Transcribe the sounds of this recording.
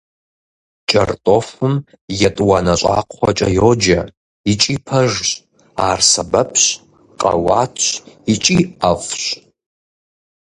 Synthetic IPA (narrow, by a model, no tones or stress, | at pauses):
t͡ʃʼɐrtʼofɨm | jɐtʼwɑnɐɕʷʼa̰ːqʷχʷɔt͡ʃʼɐ̰joːd͡ʒɐ | it͡ʃʼiːpʰɐʒɕʼ | aːrsɐbɐpʰɕ | qʼɐ̰waːtʰɕit͡ʃʼiɐfʷɕʼ